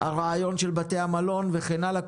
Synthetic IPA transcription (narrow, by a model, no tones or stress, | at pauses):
ha̰ʁaajo̞nʃe̞lbat̪e̞hamalo̞nveχenalak